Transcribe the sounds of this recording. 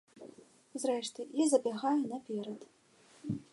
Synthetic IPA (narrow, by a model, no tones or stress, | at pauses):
zrɛʂt̪ɨjazɐbʲaɣajunɐpʲɛɾɐt̪